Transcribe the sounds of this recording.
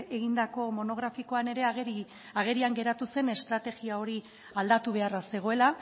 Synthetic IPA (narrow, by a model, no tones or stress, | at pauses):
e̞ɣind̪ako̞mo̞no̞ɣ̞ɾafiko̞ane̞ɾe̞i | aɣe̞ɾiaŋɡe̞ɾat̪use̞ne̞st̪ɾat̪e̞ɣiao̞ɾi | ald̪at̪uβ̞e̞arase̞ɣ̞o̞e̞la